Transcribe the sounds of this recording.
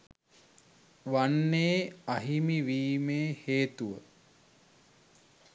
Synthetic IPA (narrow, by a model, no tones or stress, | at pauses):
ʋanːeːaɦimiʋiːmeːheːt̪uʋə